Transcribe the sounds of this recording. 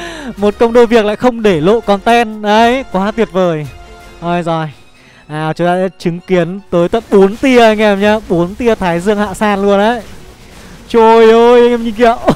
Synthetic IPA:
mo˨˩t̚kə˧wŋ͡mɗo˧˩jvi˨˩ək̚la̰ː˧˨xə˧wŋ͡mɗe˧˩lo̰˧˨kɔ˨˩nt̪ɛ˧nɗə˨˧˦jkwaː˨˦t̪wi˨˩ət̚vəː˨˩jʔə˧˩jzɔ˨˩j | ʔaː˨˩t͡ɕʊ˨˦ŋ͡mt̪aː˧ɗa̰ː˧˥t͡ɕɨ˨˦ŋki˨˦ənt̪əː˨˦jt̪wə˧˨nɓo˨˦nt̪i˧əʔa˧ŋʔɛ˧˩mɲaː˧ɓo˨˦nt̪i˧ət̪ʰaː˨˦jzɨ˧əŋha̰ː˧˨saː˧nlu˧ənʔə˨˦j | t͡ɕo˧˩jo˧jɛ˧mɲi˧ŋkḭ˧˨əw

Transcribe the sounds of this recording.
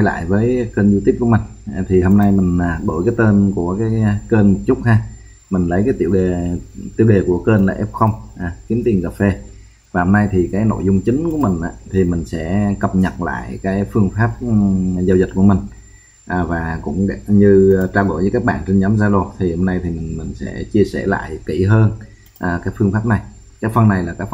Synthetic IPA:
jla̰ː˧˨jvəː˨˦jkəː˧nzu˧t̪i˦˥p̚ku˧˩əmï˨˩ŋ̟˨˩t̪ʰi˨˩ho˧mna˧jmï˨˩ŋ̟ʔaː˨˩ɗo̰˧˩jkaː˨˦jt̪əː˧nku˧˩əkaː˨˦jkəː˧nmo˨˩t̚t͡ɕʊ˦˥k͡p̚haː˧ | mï˨˩ŋ̟lə˨˦jkaː˨˦jt̪ḭ˧˩əwɗe˨˩t̪ḭ˧˩əwɗe˨˩ku˧˩əkəː˧nla̰ː˨˩ʔɛ˦˥p̚xə˧wŋ͡mʔaː˨˩k̪i˨˦ənt̪i˨˩əŋkə˨˩p̚fe˧ | vaː˨˩ho˧mna˧jt̪ʰi˨˩kaː˨˦jno̰˧˨jzʊ˧ŋ͡mt͡ɕï˨˦ŋ̟ku˧˩əmï˨˩ŋ̟ʔa̰ː˧˨t̪ʰi˨˩mï˨˩ŋ̟sɛ̰˧˥kə˨˩p̚ɲə˨˩t̚la̰ː˧˨jkaː˨˦jfɨ˧əŋfaː˦˥p̚za˧wzi˨˩t̚ku˧˩əmï˨˩ŋ̟ | ʔaː˨˩vaː˨˩kʊ̰˧˥ŋ͡mɲɨ˧t͡ɕaː˧wɗo̰˧˩˨jvə˨˦kaː˦˥k̚ɓa̰ː˧˨nt͡ɕe˧nɲa˨˦mzaː˧lo˨˩t̪ʰi˨˩ho˧mna˧jt̪ʰi˨˩mï˨˩ŋ̟mï˨˩ŋ̟sɛ̰˧˥t͡ɕi˧əsɛ̰˧˩la̰ː˧˨jki˧˩ɦəː˧n | ʔaː˨˩kaː˦˥kfɨ˧əŋfaː˦˥p̚na˨˩j | kaː˨˦jfə˧nːa˨˩jlaː˨˩kaː˦˥k

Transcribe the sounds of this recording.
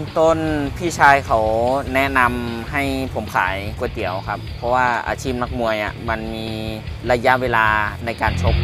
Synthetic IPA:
t̪o˧˥˨npʰiː˧˥˩t͡ɕʰaː˧jkʰa˨˦wnɛ˦˥na˧mha˥˩jpʰo˩˦mkʰa̰ː˩˦jku˧˩ət̪i˩˦əwkʰa˧˦˥pʰːɔ˧waː˧˩ʔa̰ː˨˧t͡ɕʰiː˥˩p̚na˧˥k̚mu˧əjʔa̰˨˩ma˧nmiː˧la˧ja˧˥ʔweː˧laː˧na˧jkaː˨˩nt͡ɕʰo˧˥p̚

